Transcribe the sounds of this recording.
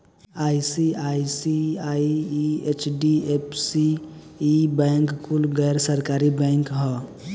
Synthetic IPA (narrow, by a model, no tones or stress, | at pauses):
aːisiaisiaiiet͡ʃɖiepsiː | bɛ̃ŋkːulɡɛɾsəɾkaɾibɛ̃ŋkɦɛ